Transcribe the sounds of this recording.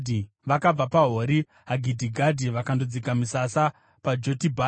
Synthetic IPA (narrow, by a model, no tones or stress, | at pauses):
i | ʋakab͡vapaɦoːɾi | ɦaɡʱidʱiɡʱadʱiʋakandod͡zikamisasa | pad͡ʒotibʱa